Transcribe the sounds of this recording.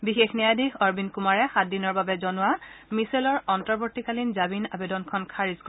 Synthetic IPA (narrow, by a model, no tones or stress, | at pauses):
bixexnɛjadixɔɹbinkumaɹɛxat̚dinɔɹbabɛzɔnʊamiselɔɹɔntɔɹbɔɹtikalinzabina̰bedɔnkʰɔnkʰaɹizkɔ